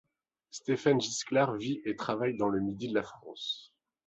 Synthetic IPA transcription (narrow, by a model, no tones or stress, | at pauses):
st̪efanʒisklaʁviʔet̪χavajd̪ɑ̃ləmid̪id̪əlafχɑ̃s